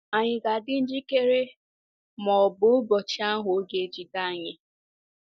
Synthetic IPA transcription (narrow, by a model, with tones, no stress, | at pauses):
a˨ɲɪ˨ɡa˨dɪ˦n̩˦d͡ʒi˦ke˦ɾe˦ | mɔ˨bʊ˨˦bɔ˨t͡ʃa˦ɦo˨˦ɡe˨˦d͡ʒi˨da˦˨ɲe˨